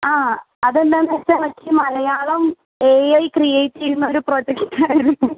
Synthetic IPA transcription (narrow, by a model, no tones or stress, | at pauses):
aː | ɐðend̪aːmɐsɐmɐkʰʲːimɐlɐjaːɭɐm | eːjɐjkrijejtːeɾunːɐoɾupro̞ːd͡ʑekʈʈːaːjiɾunːum